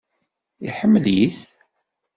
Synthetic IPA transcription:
iħəmːliθ

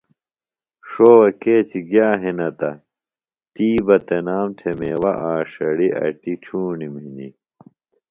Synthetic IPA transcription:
ʂoːwɐkeːt͡ɕʰiɡjaːɦinɐt̪ɐ̰ | t̪iːbɐt̪enaːmtʰemeːwɐʔaːʂɐɽiʔɐ̰ʈit͡ɕʰuːniminḭ

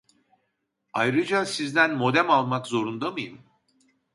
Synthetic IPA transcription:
ajɾɯd͡ʒasizd̪ænmo̞d̪æmalˠmakzo̞ɾund̪amɯjɯm

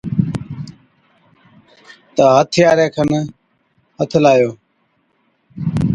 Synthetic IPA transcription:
t̪aːɦət̪ʰɪjaːɾeːkʰən | ɦət̪ʰlaːjoː

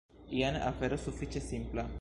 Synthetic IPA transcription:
ianḛʔafeɾosufit͡ʃesimpla

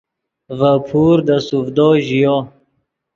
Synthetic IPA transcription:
vapʰuːɾd̪asufd̪ɔːʑijɔ

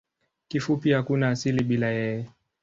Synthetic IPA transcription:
kifupihakunaːsiliɓilajɛjɛ

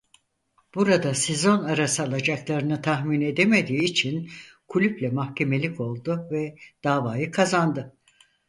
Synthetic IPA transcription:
b̥uɾad̪ase̞zo̞naɾasɯaːlˠad͡ʒaklˠaɾɯnɯt̪ʰaɦmine̞d̪e̞me̞d̪iːt͡ʃʰin | kʰulʲyplʲɛmaxcʰe̞me̞lʲikʰo̞lˠd̪uvɛd̪̥aːvaːjɯkʰazand̪ɯ

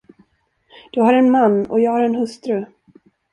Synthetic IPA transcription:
d̪̥ɵɦaɾɛnmanːɔ̰jɑːɡhaɾɛnɦɵst̪ɾɵ

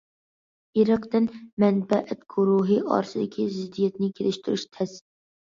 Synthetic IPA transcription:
iɾəqt̪ɪnmɛnbɛʔæt̪ɡ̥uɾuɦɨʔɑ̰ɾsɨd̪ɪkʲʰizɪd̪ːijɛt̪nɪkʲʰelɪʃt̪yɾyʃt̪ʰɛs

